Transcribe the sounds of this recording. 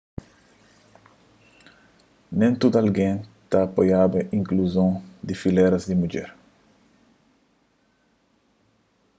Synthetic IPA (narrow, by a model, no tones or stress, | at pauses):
nẽnt̪ud̪ɐlɡẽnt̪aːpojabɐʔĩŋkluzõd̪ifileɾɐzd̪imud͡ʒɛɾ